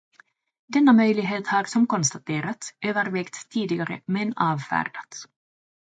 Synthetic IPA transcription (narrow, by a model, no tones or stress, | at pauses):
d̪ɛnːamœjlɪɡɦeːt̪haɾsɔmkɔnst̪at̪ʰeːɾat̪søːvəɾvɛkt̪ʰːiːd̪ɪɡaɾə̰mɛnɑːvfæ̰ːɾɖat̪